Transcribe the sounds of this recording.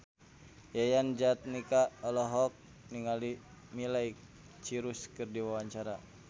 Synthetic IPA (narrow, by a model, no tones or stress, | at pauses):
jajand͡ʒat̪̚nikaɔlɔɦɔk̚ | niŋali | milaj | t͡ʃiɾuskɨrdiwawaɲt͡ʃaɾa